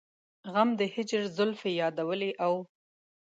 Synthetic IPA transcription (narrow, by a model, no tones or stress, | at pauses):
ɣamd̪əhɪd͡ʒɾzʊlfejɑd̪awəleʔaw